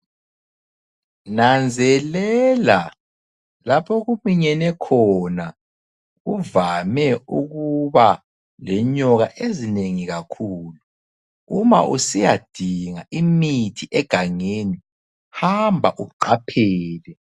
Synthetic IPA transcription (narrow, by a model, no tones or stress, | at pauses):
nand͡zʱɛlɛla | lapʰɔɣumiɲɛnɛkʰɔna | ɣuvamɛuɣuβa | lɛɲɔɣaʔezineŋiɣakʰuːlu | uma̰ʔusijad̥ʱiŋaʔimitʰiʔɛɡ̥ʱaŋeni | hambʱaʔuǃapʰɛːlɛ